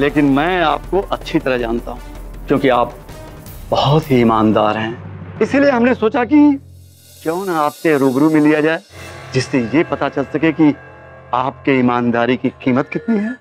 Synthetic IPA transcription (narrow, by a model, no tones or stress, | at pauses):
leːkɪnmɛ̃ːaːp̚koʔɐtːʃʰit̪ɐɾəɦd͡ʒaːnt̪aɦũːkjõːkiaːp̚bɐɦɔt̪ɦiːmaːnd̪aːɾɦɛ̃ːɪsilieɦɐmnesoːt͡ʃaki | kjɔːnaːpseɾoːbɾumẽlijad͡ʒaːed͡ʒɪsːejepɐt̪at͡ʃɐlsɐkeki | aːpkeɪmaːnd̪aːɾikiqiːmət̪kɪt̪niɦɛ̃ː